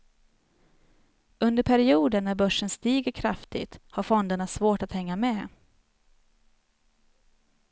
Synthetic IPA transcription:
ɵnd̪əɾpʰæɾɪuːd̪ənːæɾbœʂːənst̪iːɡəɾkʰɾaft̪ɪ̰t̪haɾfɔnd̪əɳasvoːʈat̪hɛŋːameː

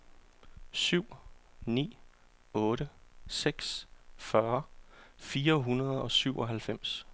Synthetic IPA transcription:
syʊ̰nḭː | ɔ̽ːɾəseɡ̥sfɶɐfiːɐɦunɐð̞ˠɒ̽syʊɒɦælfem̰s

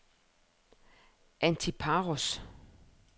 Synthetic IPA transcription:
ʔænt͡sʰipʰɑʁos

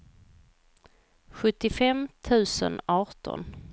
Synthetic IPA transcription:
ɧɵt̪ːɪfɛmt̪ʰʉ̟ːsə̰nɑːʈɔ̰n

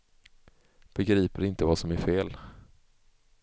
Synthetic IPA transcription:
b̥ɛɡɾiːpəɾɪnt̪əvasɔmæɾfeːl

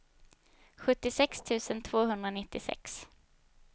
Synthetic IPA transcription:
ɧɵt̪ːɪsɛkst̪ʰʉ̟ːsənt̪ʰv̥oːɦɵnd̪ɾanɪt̪ːɪsɛ̰ks

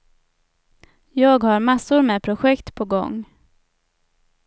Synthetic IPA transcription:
jɑːɡhaɾmasːʊɾmɛpʰɾʊɧɛkt̪pʰɔɡɔ̰ŋː

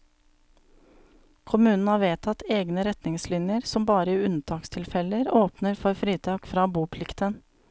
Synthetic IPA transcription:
kʰʊmʉːnn̩hɑːʋeːt̪ʰɑt̪eːɡnəɾɛt̪nɪŋslɪnjəɾsɔmbɑːɾəiːʉnt̪ʰɑːkst̪ʰɪlfɛləɾoːpnəɾfɔɾfɾiːt̪ʰɑːkfɾɑːbuːpʰlɪkt̪ən

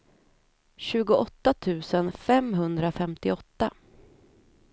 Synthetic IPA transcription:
ɕʉ̟ːɡʊʔɔt̪ːat̪ʰʉ̟ːsənfɛmɦɵnd̪ɾafɛmt̪ɪɔt̪ːa

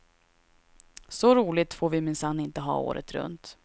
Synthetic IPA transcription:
sɔɾuːlɪt̪foːɾvɪmɪnsanːɪnt̪əɦɑ̰ːo̰ːɾʔə̰t̪ɾɵ̰nt̪

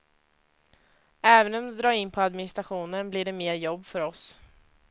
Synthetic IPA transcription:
ɛːvənɔmd̪ɛd̪ɾɑːɾɪnːpʰɔad̪mɪnɪst̪ɾaɧuːnənbliːɖɛmeːɾjɔbːfœɾɔs

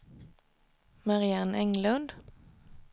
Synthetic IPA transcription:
maʁɪanɛŋlɵnd̪

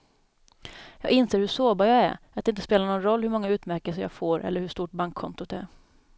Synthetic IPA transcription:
jɑːɡɪnseːɾhɵʂoːbajɑːɡæ̰ɾ | at̪ɪnt̪ə̥speːlaɳɔːnɾɔlːhɵɾmɔŋːaʉ̟ːt̪mæɾkɛlsəɾjɑ̰ːɡfoːɾʔɛ̰lːəɾhɵʂt̪uːʈ̚baŋkʰːɔ̰nt̪ʊt̪æ̰ɾ

